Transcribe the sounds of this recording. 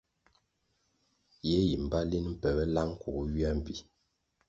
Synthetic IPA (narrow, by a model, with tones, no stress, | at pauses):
jɛ˦ji˨m̩˨ba˦li˦nm̩˦pɛ˨bɛ˦la˦ŋ˦ku˨˦ɥi˦a˦m̩˨pi˨